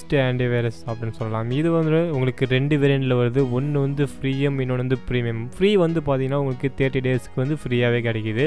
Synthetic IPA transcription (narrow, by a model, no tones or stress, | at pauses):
sʈɯɛːɳɖiʋɐɪɾɐsɐpːɐɽɪnːɯsɔlːɐlaːmɪðɯʋɐnd̪ɾɯʊŋɡɐɭɯkːɯɾɛɳɖɯʋɛɾɪɳɖɪlɐʋɐɾɐðɯɔnːɯʋɐnd̪ɯfɾiːjɐmɪnːoːɽɐʋɐnd̪ɯpɾiːmemfɾiːʋɐnd̪ɯpaːɾt̪iːŋɡɐnːaːʊŋɡɐɭɯkːɯt̪eːɾʈːiɖeːsɯ̥kːɯʋɐnd̪ɯfɾiːaːʋeːkɐɽɐkːɐðɯ